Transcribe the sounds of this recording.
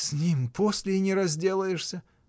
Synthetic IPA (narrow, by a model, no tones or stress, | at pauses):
sʲnʲimpʰosʲlʲɪnʲɪɾɐzʲdʲe̞lˠəjɪʂsʲə